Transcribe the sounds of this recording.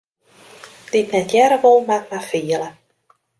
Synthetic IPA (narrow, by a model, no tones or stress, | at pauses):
d̥ɪtnɛtjɛɾəʋolˠmatmafiəlˠə